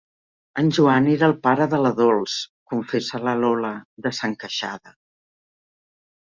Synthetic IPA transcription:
ənʲʒuaneɾəːlˠpaɾəðələðolˠskuɱfesələlɔləðəsəŋkəʃa̰ðə

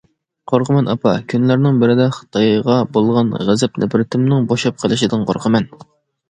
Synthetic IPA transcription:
qʰoɾqʰəmɛnɑpʰɑkʲʰynlæɾnɪŋbɪɾɪd̪ɛχə̥t̪ʰɑjʁɑbolˠʁɑnʁæzɛp̚nɛ̰pɾɪt̪ʰɪmnɪŋboʃɑp̚qʰəlˠɪʃid̪ɨnqʰo̰ɾqʰəmɛn

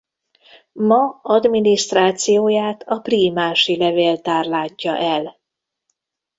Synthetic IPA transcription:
mɒɒd̪miniʃt̪raːt̪sijoːjaːt̪ʰɒpriːmaːʃilɛveːlt̪aːrlaːɟːɒʔɛl

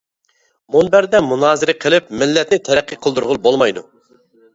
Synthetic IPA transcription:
munbæɾd̪ɛmunɑːzɨɾɪqʰəlˠɪp̚mɪlːɛt̪nɪt̪ʰɛɾæqʰːiqʰəlˠd̪uɾʁʊlˠbolˠmɑjd̪u

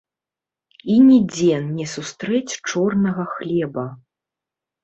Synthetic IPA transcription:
inʲɛd͡zʲɛnnʲɛsust̪ɾɛt͡sʲt͡ʂɔrnɐɣɐxlʲɛbɐ

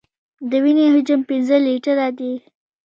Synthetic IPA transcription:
d̪əwineɦʊd͡ʒʊmpɪnzəliʈəɾad̪i

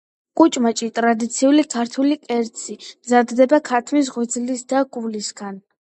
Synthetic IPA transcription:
kʼut͡ʃʼmat͡ʃʼit̪ʼɾad̪it̪sʰiulikʰaɾt̪ʰulikʼɛɾt̪sʰimzad̪ːɛbakʰat̪ʰmis̬ʁɛd̪zlisd̪aɡulisɡan

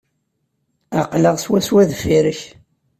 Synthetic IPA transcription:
aqləʁswæswæðfiɾəç

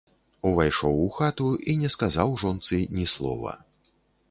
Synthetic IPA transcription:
uvajʂɔwuxat̪uinʲɛskazawʐɔnt̪sɨnʲislˠɔ̰vɐ̰

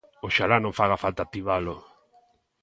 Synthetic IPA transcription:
oʃalanõɱfaɣafalt̪at̪iβalʊ

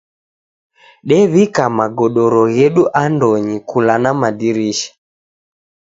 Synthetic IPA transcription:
ɗɛβikamaɡɔɗɔɾɔɣɛɗuʔandɔɲikʰulanamaɗiɾiʃḁ

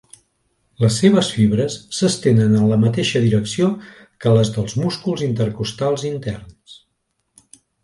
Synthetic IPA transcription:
ləsːeβ̞əsfiβɾəsːəst̪enənənləmət̪eʃəðiɾəksio | kələzðəlˠzmuskulˠzint̪əɾkust̪alˠzint̪ɛrns

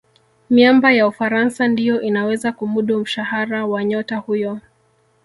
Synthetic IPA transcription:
miambajaufaɾansandijɔʔinawɛzakumuɗum̩ʃahaɾawaɲɔtahujɔ

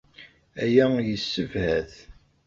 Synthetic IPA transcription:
æjæjəsːəvhæθ

